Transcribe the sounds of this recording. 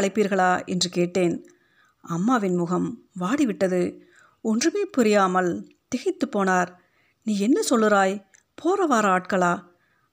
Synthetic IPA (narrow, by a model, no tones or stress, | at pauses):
ɐɭɐɪpːiːɾɣɐɭaːɛndrɯkeːʈːeːn | ɐmːaːʋɪnmʊɣɐmʋaːɽiʋɪʈːɐðɯ | ɔndrɯmeːpʊɾɪjaːmɐl | t̪ɛɣɪt̪ːɯpːoːnaːɾ | niːɛnːɐsɔlːɯɾaːj | pʰoːɾɐʋaːɾaːʈkɐɭaː